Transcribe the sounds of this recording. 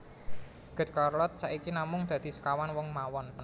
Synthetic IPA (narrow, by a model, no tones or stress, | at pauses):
ɡ̥ə̤t̪̚kɔrlɔt̪̚saʔikinamʊŋd̪̥ä̤d̪̥i̤sə̥kawanwɔŋmawɔnpə